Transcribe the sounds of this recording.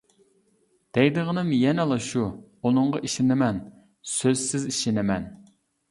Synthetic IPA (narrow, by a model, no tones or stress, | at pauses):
d̪̥ɛjd̪ɨʁənɨmjɛnɛlˠɑʃu | unɨɴʁɑʔiʃɪnɪmɛn | søzsɪziʃɪnɪmɛn